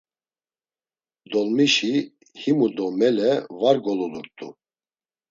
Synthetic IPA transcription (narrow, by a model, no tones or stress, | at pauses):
d̪ɔlmiʃi | himud̪ɔmɛlɛvaɾɡɔlɔluɾt̪ʼu